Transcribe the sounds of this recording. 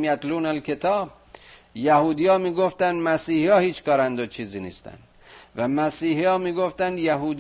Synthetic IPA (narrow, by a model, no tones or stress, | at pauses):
mjæt̪luːnælkʲʰet̪ʰɒːb̚ | jæhuːd̪ijɒːmiːɡoft̪ænd̪mæsiːhijɒːhiːt͡ʃkɒːɾænd̪ot͡ʃʰiːziːnḭːst̪æ̰nd̪ | væmæsiːɦijɒːmiːɡoft̪ænd̪jæɦuːd̪